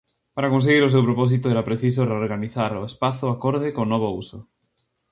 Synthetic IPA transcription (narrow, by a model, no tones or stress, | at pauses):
paɾakõnseɣiɾosewpɾopɔs̬it̪oeɾapɾeθis̬oreoɾɣaniθaɾoespaθoakoɾð̞ekonɔβ̞ouso